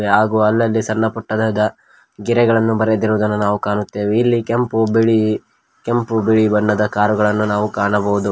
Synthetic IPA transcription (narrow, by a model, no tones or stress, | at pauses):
eaːɡuːɐlːɐlːisɐnːɐpuʈːɐd̪ɐd̪ɐ | ɡiɾɛɡɐɭɐnːubɐɾed̪iɾuʋd̪ɐnːunaːʋukaːɳut̪ːe̞ːʋeilːikempubiɭi | kempubiɭibɐɳːɐd̪ɐkaːɾuɡɐɭɐnːunaːʋukaːɳɐbɐʋud̪u